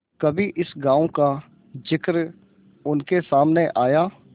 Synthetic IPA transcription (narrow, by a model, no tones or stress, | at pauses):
kɐbʱiʔɪsɡãːõka | d͡ʒɪkɾ | ʊnkesaːmneʔaːjaː